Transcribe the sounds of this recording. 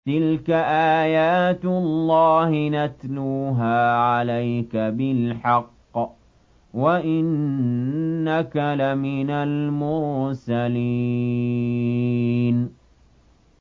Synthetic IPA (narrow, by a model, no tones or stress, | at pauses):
t̪ɪlkaʔaːjaːt̪ʊllːɑːhɪnat̪luːɦaːʕalajkabɪlħɑqː | waʔɪnː | akalamɪnalmʊɾsali | n